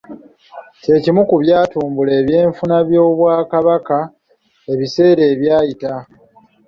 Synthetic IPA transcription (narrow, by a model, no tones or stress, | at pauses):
ce̞ːcimukuβjaːtuːmbule̞ːβje̞ːɱfunaβjo̞ːβwaːkaβaka | e̞βise̞ːɾe̞ːβjaːjita